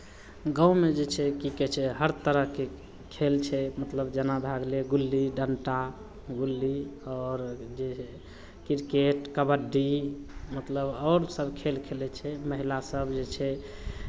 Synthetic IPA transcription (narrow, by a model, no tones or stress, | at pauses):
ɡəumed͡ʒet͡ʃʰɛkikɛt͡ʃʰɛɦəɾt̪əɾəɦke | kʰelt͡ʃʰɛmət̪ləbd͡ʒənabʱaɡleɡulːiɖənʈa | ɡulːiɔɾd͡ʒeɛ | kiɾkeʈkəbəɖimət̪ləbɔːɾsəbʱkʰelkʰelɛt͡ʃʰɛməɦilasəbd͡ʒet͡ʃʰɛ